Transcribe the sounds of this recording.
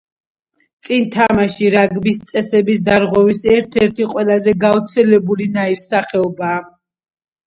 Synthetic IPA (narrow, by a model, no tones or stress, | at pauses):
t̪sʼint̪ʰamaʃiɾaɡbist̪sʼɛsɛbisd̪aɾʁwɛvisɛɾt̪ʰɛɾt̪ʰiqʼwɛlazɛɡavt̪sʰɛlɛbulinaiɾsaχɛɔbaː